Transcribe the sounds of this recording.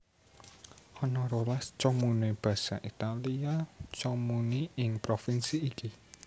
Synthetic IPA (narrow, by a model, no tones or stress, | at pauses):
ʔɔnɔɾolast͡ʃɔmunib̥ä̤sa̰ʔit̪aliat͡ʃɔmuniɪŋpɾofinsiːki